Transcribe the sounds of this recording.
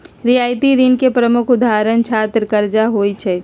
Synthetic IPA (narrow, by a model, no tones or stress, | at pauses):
ɾiaːjt̪iɾinkepɾəmʊkʰʊd̪ʱaɾənt͡ʃʰaːt̪ɾkəɾd͡ʒaɦoːit͡ʃʰɛː